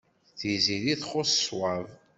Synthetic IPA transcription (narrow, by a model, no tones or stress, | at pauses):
θiziðiθχʊsə̥swav